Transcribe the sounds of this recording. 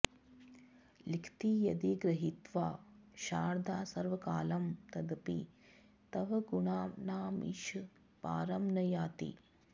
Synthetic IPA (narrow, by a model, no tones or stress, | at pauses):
likʰt̪ijɐd̪iɡɾɐɦit̪ʋaːʃaːɾd̪ʱaːsɐɾʋɐkaːlɐmt̪ɐd̪ɐpḭ | t̪ɐʋɐɡuɳaːnaːmḭʃ | pa̰ːɾɐmnɐjaːt̪ḭ